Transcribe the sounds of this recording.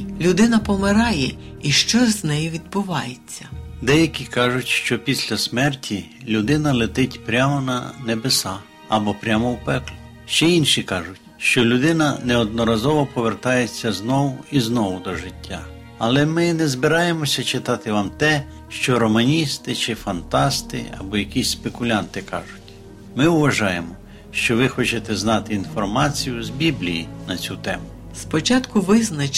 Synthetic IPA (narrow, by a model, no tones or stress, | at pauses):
lʲʊd̪ɪnɐpɔmɪɾɑjɛiʃt͡ʃɔznɛjiʋʲid̪̚bʊʋɑjet͡sʲːɐd̪ɛjɐkʲikɑʒʊtʲʃt͡ʃɔpʲisʲlʲɐsmɛrtʲʰilʲud̪ɪnɐlˠɪt̪ɪtʲpɾʲamɔnɐnebesɑ | ɐbɔpɾʲamɔwpɛklʲʊ | ʃt͡ʃɛinʃikɑʒʊtʲʃt͡ʃɔlʲʊd̪ɪnɐnɛɔd̪̚nɔɾɐzɔʋɔpɔʋe̞rt̪ɑjet͡sʲːɐznɔwʊiznɔʋʊd̪ɔʒɪtʲːa | ɐlˠɛmɪnɛzbɪɾɑjemɔsʲɐt͡ʃɪt̪ɑt̪ɪʋɑmt̪ɛ | ʃt͡ʃɔɾɔmɐnʲist̪ɪt͡ʃɪfɐnt̪ɑst̪ɪ̰ɐ̰bɔjɐkʲisʲspekʊlʲant̪ɪkɑ̰ʒʊtʲ | mɪʊʋɐʒɑjemɔ | ʃt͡ʃɔʋɪxɔt͡ʃet̪ɛznɑt̪ɪinfɔrmɑt͡sʲijʊzbʲiblʲijinɐt͡sʲut̪ɛ̰mʊ | spɔt͡ʃat̪kʊʋɪznɐt͡ʃ